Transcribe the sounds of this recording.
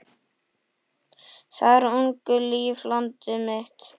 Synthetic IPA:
θaɾuŋkʏliːflɔnt̪ʏmɪht̪

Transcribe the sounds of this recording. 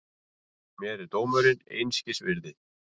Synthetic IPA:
mjɛɾɪɾt̪oːwmœɾɪnḛjnscɪsvɪɾðɪ

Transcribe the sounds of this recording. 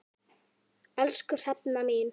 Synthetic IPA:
ɛlskʏr̥ɛpnamiːn

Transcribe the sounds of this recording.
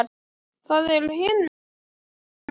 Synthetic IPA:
ɾ | θaðɛɾʏɦɪn

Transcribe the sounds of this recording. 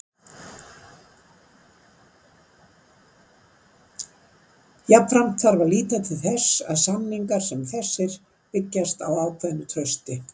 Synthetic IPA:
japfɾam̥t̪θaɾvaliːt̪at̪ʰɪlθɛsa̰ðsamniŋkaɾ̥sɛmθɛsːɪɾ̥ | pɪcːast̪awaːwkʰvɛðnʏt̪ʰɾœɥst̪ɪ

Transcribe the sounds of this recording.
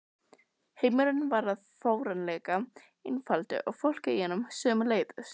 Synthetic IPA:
heːjmɪɾʏnvaɾaðfoːwɾanlɛːka | ɪnfalt̪ɪ̰ʔaɣfowl̥cɪihɛːnʏmsœːmʏleːjðʏs

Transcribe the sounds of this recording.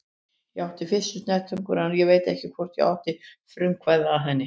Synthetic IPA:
jɛawht̪ɪfɪsʏst̪nɛt̪ʰʏŋkʏɾanjɛveːjt̪ɛhcɪkʰvɔr̥t̪jɛ̰a̰wht̪ɪfɾʏmkʰvajðaːɦɛnːɪ

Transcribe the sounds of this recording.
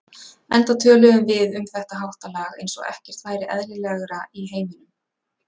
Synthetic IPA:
ɛnt̪at̪ʰœːlœɣʏmvɪðʏmθɛht̪aɦawht̪alaːɣḛjnsɔ̰ɣɛ̰hcɛr̥t̪faːjɾɪʔɛ̰ðlɪlɛɣɾaiɦeːjmɪnʏm

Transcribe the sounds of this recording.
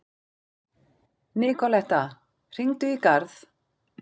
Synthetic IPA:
nɪkʰɔlɛht̪a | r̥iŋt̪ʏikaɾθ

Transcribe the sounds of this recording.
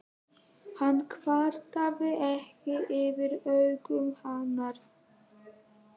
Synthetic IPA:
hanːkʰvaːɾt̪avɪʔɛhcɪʔɪvɪɾœɥkʏmhanːaɾ̥

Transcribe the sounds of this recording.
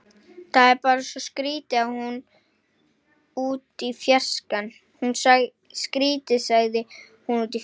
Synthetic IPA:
θaðɛɾpaːɾasɔskɾiːt̪ɪaðhun | uːt̪ifjar̥skan | hunsa | skɾiːt̪ɪsaɣðɪ | hunuːt̪̬i

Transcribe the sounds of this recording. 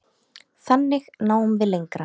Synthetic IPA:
θanːɪɣnaːwʏmvɪðlejŋkɾa

